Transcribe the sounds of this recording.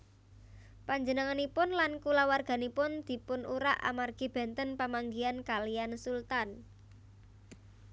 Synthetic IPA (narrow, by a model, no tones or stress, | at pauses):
paɲd͡ʒənəŋanipʊnlankulawarɡ̥a̤nipʊnd̪̥i̤pʊnuɾaʔa̰marɡ̥i̤b̥ɛ̤nt̪ənpamaŋɡiankaliansult̪an